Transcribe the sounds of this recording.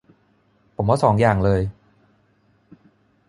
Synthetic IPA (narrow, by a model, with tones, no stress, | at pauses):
pʰo˨˩˦mwaː˥˩sɔː˩˦ŋjaː˨˩ŋlɤː˧j